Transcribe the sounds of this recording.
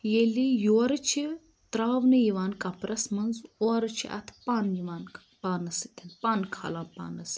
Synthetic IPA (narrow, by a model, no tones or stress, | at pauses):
jelijoːɾɨt͡ʃʰi | t̪ɾaːʋnɨjiʋaːnkɐpɾɐsmɐnzoːɾɨt͡ʃʰḭʔɐ̰t̪ʰpaːnjiʋaːn | paːnɐsi̥t̪ʰɐnpankʰa̰ːlaːnpa̰ːnɐs